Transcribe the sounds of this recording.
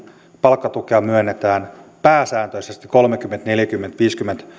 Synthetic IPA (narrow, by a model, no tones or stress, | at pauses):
pɑlkːɑt̪ukeɑmyønːet̪æːnpæːsæːnt̪øisest̪i̥ko̞lmek̟ymːent̪neljækymːent̪ʋiːskymːent̪